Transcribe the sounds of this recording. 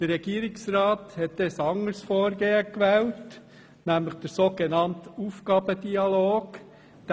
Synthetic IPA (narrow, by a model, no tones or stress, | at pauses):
d̥ərːɛɡ̥iːəɾɪksɾɑːt̪hɛt̚d̥esɑŋəɾsfoːɾɡeːəkʋɛːlt | næmləχd̥̪əɾsoːɡ̥enɑntuːfɡɑːbəd̪iɑloːɡ | d̪̥